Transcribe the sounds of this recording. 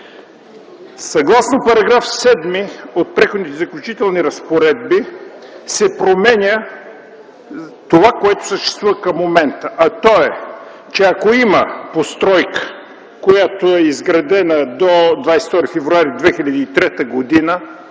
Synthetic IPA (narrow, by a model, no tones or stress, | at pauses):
sɐɡlˠasnopɐɾɐɡɾafsɛd̪miot̪̚pɾɛxʊd̪nit̪ɛzɐklʲʊt͡ʃit̪ɛlˠniɾɐspoɾɛd̪̚bisɛpɾomɛnʲə | t̪ovakoɛt̪o̥səʃt̪ɛ̥st̪vuvəkɐmːomɛnt̪əʔɐt̪ɔɛ | t͡ʃɛɐkoiməpost̪ɾɔjkə̥ | kojat̪oɛizɡɾɐd̪ɛnəd̪od̪vajst̪ɔɾifɛvɾuaɾid̪vɛxilʲɐd̪iːt̪ɾɛt̪əɡod̪inə